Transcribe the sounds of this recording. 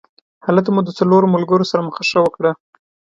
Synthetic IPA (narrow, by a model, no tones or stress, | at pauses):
halat̪̬mud̪ət͡saloɾoməlɡəɾosaɾaməxaʂawəkɽa